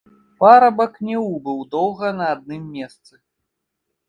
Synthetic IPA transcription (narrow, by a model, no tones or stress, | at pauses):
paɾɐbɐknʲɛubɨwd̪ɔwɣɐnɐːd̪̚nɨmːʲɛst̪sɨ